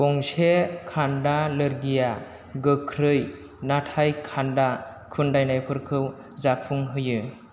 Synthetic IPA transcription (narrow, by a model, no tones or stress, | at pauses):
ɡ̥ɔŋsekʰandalɯɾɡija | ɡɯkʰɾɯj | natʰajkʰandakʰɯndajnajpʰɯɾkʰɯw | zapʰːuŋɦɯjɯ